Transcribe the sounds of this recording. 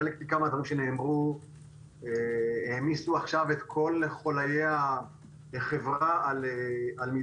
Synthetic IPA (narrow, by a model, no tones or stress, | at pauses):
elek̚tikamad̪vaʁimʃene̞ːmʁu | eeːmisuaχʃave̞t̪kʰo̞leχo̞lajea | eχe̞vʁaalealmi